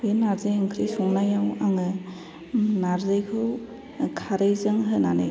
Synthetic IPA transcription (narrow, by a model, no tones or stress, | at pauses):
enaɾzɯjaŋkʰɾijsuŋnajawaŋɯ | naɾzɯjkʰɯw | kʰaɾɯjzɯŋɦɯnana̰j